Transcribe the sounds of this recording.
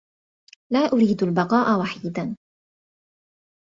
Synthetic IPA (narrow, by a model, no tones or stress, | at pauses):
laːʔʊɾiːd̪albɑqɑːʔawaħiːd̪an